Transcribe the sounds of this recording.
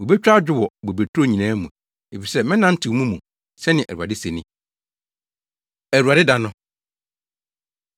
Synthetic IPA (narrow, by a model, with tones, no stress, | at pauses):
wo˨be˦t͡ɕᶣɾa˦d͡ʑᶣɪ˦wɔ˨bo˨be˨tʰɾo˦ɲĩ˨nãː˦mũ˨ | e˨fi˨sɛ˦mɛ̃˦nã˦n̩˦tʰɪ˨˦mũ˦mũ˨ | sɛ˦nɪ̃˨ʔæ̰˨ɾu˨a˨dɪ˦se˨nɪ̃˦ | æ˨ɾu˨a˨dɪ˦da˨nʊ̃˦